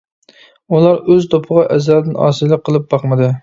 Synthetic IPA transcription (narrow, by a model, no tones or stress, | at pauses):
ulˠɑɾøzt̪ʰopʰəʁɑʔɛzlæɾd̪ɪnɑ̰ːsɨlˠɨqʰːəlˠɨp̚bɑχmɨd̪ɨ